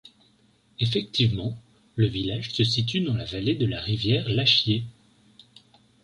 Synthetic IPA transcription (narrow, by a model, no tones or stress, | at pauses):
efɛk̚t̪ivmɑ̃ | ləvilaʒsəsit̪̬yd̪ɑ̃lavaled̪əlaʁivjɛʁlaʃje